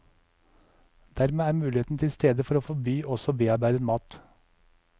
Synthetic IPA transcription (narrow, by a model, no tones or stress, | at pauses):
d̪̥æɾmeːæːɾmʉːlɪeːt̪n̩t̪ʰɪlst̪ʰeːd̪əfɔɾoːfɔbyːʔɔsɔbeːɑɾbæɪd̪ənmɑːt̪